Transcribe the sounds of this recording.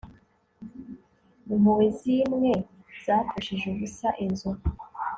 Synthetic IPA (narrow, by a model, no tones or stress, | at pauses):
umuwezimŋe̞z̥aːfaʃiʒuɡusaʔenzo